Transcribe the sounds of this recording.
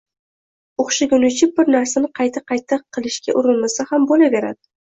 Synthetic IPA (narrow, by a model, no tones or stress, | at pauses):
oχʃaɡʲʊnɪt͡ʃɪbɪɾnaɾsanɪqʰɑjt̪ʰaqʰɑjt̪ʰaqʰːɨlˠɪʃkʲa̰ʔʊɾɪlmasahambolabe̞ɾa̰d̪̥ɪ